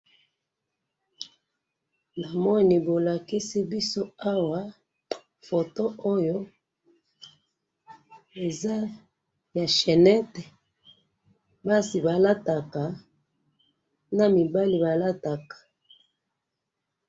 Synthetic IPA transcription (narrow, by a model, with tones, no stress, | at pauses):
na˨mɔ˦˨ni˨bo˨la˨ki˦si˦bi˦so˦a˦wa˨ | fo˨to˦o˦jo˦ | e˨za˦ | ja˨ʃɛ˨nɛ˦tɛ˨ | ba˦si˨ba˨la˦ta˨ka˨ | na˨mi˨ba˦li˨ba˨la˦ta˨kḁ˨